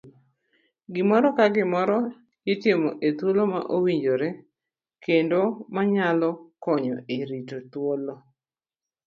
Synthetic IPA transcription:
ɡɪmɔɾɔkaɡɪmɔɾɔ | jɪtɪmoʔet̪woloma̰ʔowiɲd͡ʒoɾe | kʰendomaɲalɔkɔɲɔeɾitot̪wolo

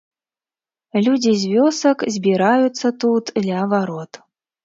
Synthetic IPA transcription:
lʲud͡zʲizʲvʲɔsɐkzʲbʲiɾajut̪sːɐt̪ut̪d̪lʲɐɐvaɾɔt̪

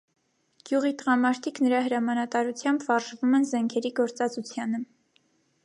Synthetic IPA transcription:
ɡ̥juʁit̪əʁɑmɑɾt̪ʰiknəɾɑɦəɾɑmɑnɑt̪ɑɾut͡sʰjɑmbvɑɾʒvumɛnzɛŋkʰɛɾiɡɔɾt͡sɑt͡sut͡sʰjɑnə

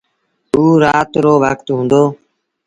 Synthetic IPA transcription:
uːɾaːt̪ɾoːʋəkt̪ɦũːnd̪oː

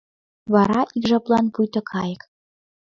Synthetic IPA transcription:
βɑɾɑʔikʒɑplˠɑnpujt̪ɤ̆kʰɑjə̆k

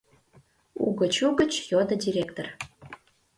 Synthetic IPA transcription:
ṵɡət͡ɕuɡə̆t͡ɕjod̪ə̆dʲiɾʲekt̪or

